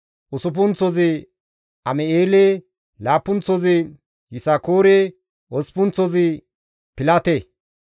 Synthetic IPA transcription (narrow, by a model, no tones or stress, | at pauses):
ʔʊsʊp̬ʊnt͡sɔzɪ | ɐmɛeːle | laːpːʊnt͡sːɔzɪ | jɪsakoːɾe | ʔɔspʊnt͡sːɔzɪ | pɪlat̪e